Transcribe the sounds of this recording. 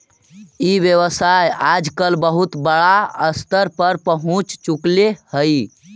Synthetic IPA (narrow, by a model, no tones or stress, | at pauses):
iʋjəʋəsajad͡ʒkəlbəɦut̪bəɽaəst̪əɾpəɾpəɦũt͡ʃt͡ʃuklehəj